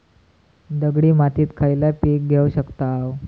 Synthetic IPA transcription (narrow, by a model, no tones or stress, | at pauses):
d̪əɡɽiːmat̪iːt̪kʰajlapik̚ɡʱeuɕəkt̪aaw